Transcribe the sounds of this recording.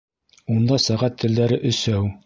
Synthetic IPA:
und̪ɑsæʁæt̪ʰːɘ̆ld̪æɾɘʔɵ̆sæw

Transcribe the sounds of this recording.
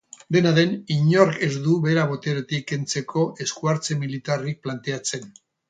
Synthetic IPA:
d̪e̞naðe̞niɲo̞ɾke̞zd̪uβe̞ɾaβo̞t̪e̞ɾot̪ike̞nt͡se̞kʰo̞ʔe̞skuaɾt͡se̞milit̪arik̚plant̪e̞at͡se̞n

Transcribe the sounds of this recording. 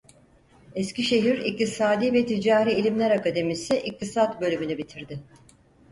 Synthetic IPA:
esciʃe̞ɦiɾḭc̚t̪ʰisaːd̪ivɛt̪ʰid͡ʒaːɾiːlʲimlʲæɾakad̪e̞misiʔik̚t̪ʰisat̪bø̞lʲymynybit̪ʰiɾd̪ɪ

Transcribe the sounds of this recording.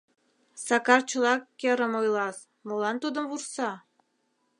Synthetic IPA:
sɑkɑrt͡ɕəlɑkːeɾəmojlɑs | molɑnt̪ud̪əmβursɑ

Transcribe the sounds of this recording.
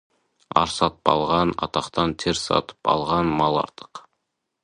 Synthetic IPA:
ɑ̰ɾsɑt̪ə̥pɑ̰lˠʁɑnɑ̰t̪ɑqt̪ɑnt̪ʰeɾsɑ̰t̪ə̥pɑ̰lˠʁɑnmɑlˠɑ̰ɾt̪ə̥q

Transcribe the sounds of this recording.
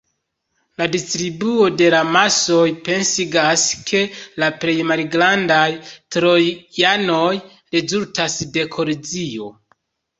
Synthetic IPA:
ladistɾibuo̞de̞lamaso̞jpe̞nsiɡaskʰe̞laple̞jmalɡɾandajtɾo̞jano̞j | ɾe̞zultasde̞kʰo̞lid͡zio̞

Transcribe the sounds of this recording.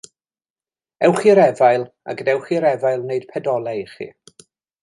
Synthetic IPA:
ɛwχiɾɛvajlˠ | a̰ɡədɛwχiɾɛvajlˠneɨd̥pʰɛdɔlˠɛχḭ

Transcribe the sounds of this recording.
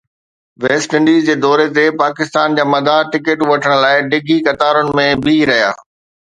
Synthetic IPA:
ʋeːsʈɪ̃ɳɖiːzd͡ʑeːd̪ɔːɾet̪epaːkɪst̪aːnd͡ʑaːmɐd̪ʱaʈɪkɪʈʋɐʈʰəɽ̃laːɪɖɪɡʱikɐt̪aːɾʊnɪ̆mẽbɪɾɐɦija̰ː

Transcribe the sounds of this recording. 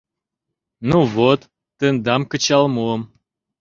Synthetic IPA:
nuvot̪ː | ənd̪ɑmkə̆t͡ɕɑlmuəm

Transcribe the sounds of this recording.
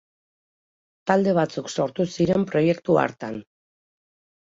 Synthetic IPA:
t̪ald̪e̞β̞at͡sukso̞ɾt̪usiɾe̞mpɾo̞je̞kt̪ua̰ɾt̪an

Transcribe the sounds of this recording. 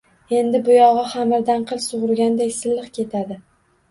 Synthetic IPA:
e̞nd̪ɪbʊjɒʁɨχamɪɾd̪anqʰɨlˠsʊʁʊɾɡʲand̪ekʲsɪlːɨqkʲʰe̞t̪ʰad̪ɪ

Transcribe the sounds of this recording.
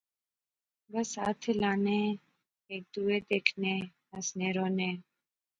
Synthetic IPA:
ɡəsat̪ʰelane | ek̚d̪ued̪ekʰne | əsneɾone

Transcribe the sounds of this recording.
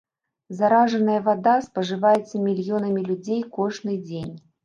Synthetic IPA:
zaɾaʐɐnɐjɐvad̪aspɐʐɨvajɛt̪sːɐmʲilʲjɔnɐmʲilʲud͡zʲejkɔʐnɨd͡zʲenʲ

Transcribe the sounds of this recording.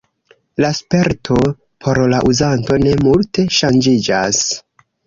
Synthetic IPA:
laspe̞ɾtʰo̞ | pʰo̞ɾlaʔuzanto̞ne̞multe̞ʃand͡ʒid͡ʒas

